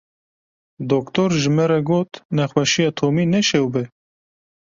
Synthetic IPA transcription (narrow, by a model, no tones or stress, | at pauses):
d̪okt̪oɾʒɪmɛɾɛɡoːt̪nɛxwɛʃijɑt̪ʰoːmiːnɛʃɛwbɛ